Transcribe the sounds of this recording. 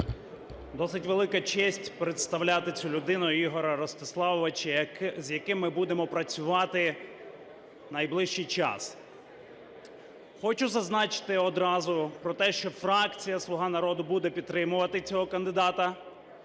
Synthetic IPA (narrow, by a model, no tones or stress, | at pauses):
d̪ɔsɪtʲʋe̞lˠɪkɐt͡ʃɛsʲtʲpɾet̪st̪ɐwlʲat̪ɪt͡sʲulʲʊd̪ɪnʊjiɦɔɾɐɾɔst̪ɪslˠɑʋɔʋɐt͡ʃɐzʲjɐkɪmːɪbud̪emɔpɾɐt͡sʲʊʋɑt̪ɪ | nɐjblˠɪʃt͡ʃijt͡ʃɑ̰s | xɔt͡ʃʊzɐznɑt͡ʃɪ̥t̪ɪɔd̪ɾɑzʊpɾɔt̪ɛʃt͡ʃɔfɾɑkt͡sʲijɐslˠʊɦɑnɐɾɔd̪ʊbud̪ɛpʲid̪̚t̪ːɾɪmʊʋɐt̪ɪt͡sʲɔɦɔkɐnd̪ɪd̪ɑt̪ɐ